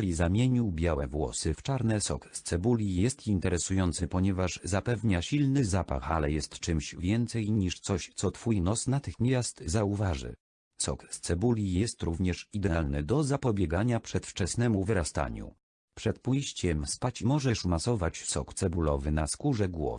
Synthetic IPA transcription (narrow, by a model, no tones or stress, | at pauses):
lʲizamʲjeɲiwbʲjawɛvwɔ̰sɘft͡ʂaɾnɛsɔ̰kst̪sɛbulʲijɛst̪int̪ɛɾɛsujɔnt̪sɘpɔɲɛvaʐzapɛvɲaɕilnɘzapa̰xalɛjɛst̪t͡ʂɘmɕvʲjɛnt̪sɛjɲiʂt̪sɔɕt̪sɔt̪fujnɔsnat̪ɘxmʲjast̪zauvaʐɘ̰ | sɔ̰kst̪sɛbulʲijɛst̪ɾuvɲɛʂid̪ɛalnɘd̪ɔzapɔbʲjɛɡaɲapʂɛt̪ft͡ʂɛsnɛmuvɘɾast̪a̰ɲṵ | pʂɛt̪̚pujɕt͡ɕɛmspat͡ɕmɔʐɛʂmasɔvat͡ɕsɔ̰kt̪sɛbulɔvɘnaskuʐɛɡwɔ̰v